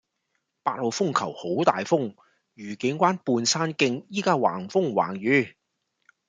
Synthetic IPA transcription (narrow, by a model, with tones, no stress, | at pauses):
paː˧k̚lo˨˧wfʊ˥ŋkʰɐ˨˩who˨˥wt̪a̰ː˨jfʊ˥ŋ | ɥyː˨˩kɪ˨˥ŋkʷwaː˥npuː˧nsaː˥nkɪ˧ŋjiː˥kaː˥wa̰ː˨˩ŋfʊ˥ŋwa̰ː˨˩ŋjyː˨˥